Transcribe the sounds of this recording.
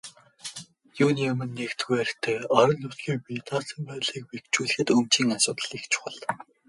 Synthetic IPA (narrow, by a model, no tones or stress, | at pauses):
juːniɵmɘ̆nːekt̪ɡujæɾʲxt̪ʰeːɔɾɞ̆nːut̪ɡʲiːk̚pit̪aːsə̆mpæːt̪ɮiːk̚pekt͡ɕuːɮɘ̆xɘ̆t̪ɵmt͡ɕiːŋasʊːt̪ə̆ɮixt͡ɕʰʊ̥χə̆ɮ